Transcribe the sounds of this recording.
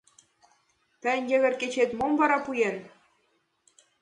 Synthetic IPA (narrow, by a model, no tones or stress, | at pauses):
pɘ̆nʲjɘ̆ɣʲɘ̆rkʲet͡ɕet̪ʲmomvɑɾɑpujerʲ